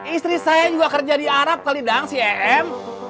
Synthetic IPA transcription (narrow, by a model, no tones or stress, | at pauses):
ist̪ɾisajad͡ʒuɡakərd͡ʒadiaɾap̚t̪alidaŋsiɛʔɛm